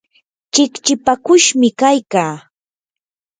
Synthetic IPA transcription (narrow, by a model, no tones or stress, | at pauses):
t͡ʃɪkt͡ʃɪpakʊʃmɪkajkaː